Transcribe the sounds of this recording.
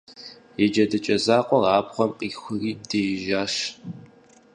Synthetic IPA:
jɛd͡ʒɐdɐt͡ʃʼɐzaːqʷʼɔraːbχʷɔmqʼiːxʷʊriːdeːjʒaːʃ

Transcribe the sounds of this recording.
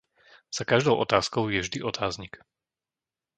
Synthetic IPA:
z̥akaʒd̪ɔʊʔɔ̰t̪aːskɔʊjɛvʒd̪iʔɔt̪ʰaːzɲik

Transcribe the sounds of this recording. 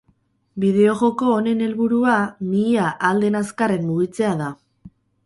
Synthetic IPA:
biðe̞o̞ɣo̞ko̞ːne̞ne̞lβuɾuamiaʔald̪e̞naskare̞nmuɣit͡se̞aða

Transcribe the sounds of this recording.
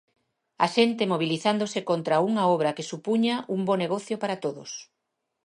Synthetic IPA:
ɐ̰ʃent̪ɪmoβ̞iliθand̪osɪkont̪ɾɐuŋɐɔβ̞ɾɐkɪsupuɲɐʔumbɔneɣɔθjopaɾat̪oðʊ̰s

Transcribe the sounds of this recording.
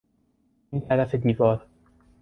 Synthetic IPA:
nt̪ʰæɾæfe̞d̪iːvɒːɾ

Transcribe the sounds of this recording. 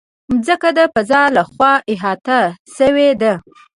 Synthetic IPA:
zəkad̪apəzɑlaxwɑɪɦɑt̪aʃəwed̪a

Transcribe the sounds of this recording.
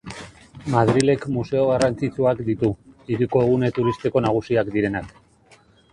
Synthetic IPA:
mað̞ɾile̞kmuse̞o̞ɣ̞arant͡sit͡suakd̪it̪uiɾiko̞eɣ̞une̞t̪uɾist̪eko̞naɣ̞usiakd̪iɾe̞nak

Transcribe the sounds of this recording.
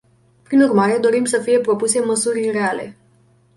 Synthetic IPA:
pɾinurmaɾe̞d̪o̞ɾimsəfije̞pɾo̞puse̞məsuɾre̞ale̞̰

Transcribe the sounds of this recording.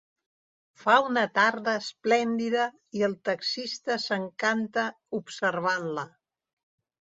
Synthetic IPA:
faunət̪aɾðəːsplɛnd̪iðə | iəlˠt̪əksist̪əsəŋkant̪ə | upsərβanlə

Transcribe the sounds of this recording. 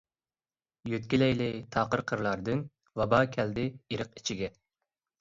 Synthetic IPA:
jøt̪̚kʲilɛjlɪt̪ʰɑːqəɾqʰəɾlˠɑɾd̪ɨn | wɑbɑːkʲʰɛld̪ɪiɾəqi̥t͡ʃʰiɡʲɛ

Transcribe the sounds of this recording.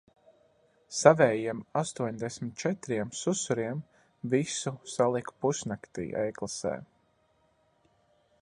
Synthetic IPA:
savɛːjiɛmast̪uɔɲd̪ɛsʲmʲɪt̪̚t͡ʃɛt̪ɾiɛmsusuɾiɛm | visusalˠikpusnakt̪ḭːɛjklˠasɛ̰ː

